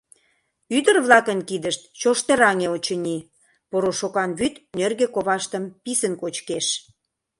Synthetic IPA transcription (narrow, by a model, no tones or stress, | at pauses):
yd̪ərβlɑkənkid̪əʃt̪̚t͡ɕoʃt̪eɾɑŋeot͡ɕə̆nʲi | poɾoʃokɑnβyt̪nørɣekoβɑʃt̪əmpisənkot͡ɕkeʃ